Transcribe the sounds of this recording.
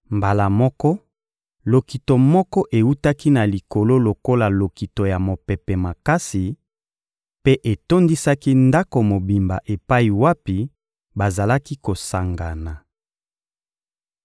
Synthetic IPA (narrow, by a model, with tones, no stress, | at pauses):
mba˨la˨mɔ˦kɔ˦ | lo˨ki˨to˨mɔ˦kɔ˦ʔe˨wu˦ta˦ki˦na˨li˨ko˨lo˦lo˨ko˦la˨lo˨ki˨to˨ja˨mo˨pɛ˨pɛ˨ma˨ka˦si˨ | pe˦ʔe˨to˦ndi˦sa˦ki˦nda˦ko˨mo˨bi˨mba̰˨ʔe˨pa˦i˨wa˦pi˨ | ba˨za˨la˦ki˦ko˨sa˨ŋɡa˨na˨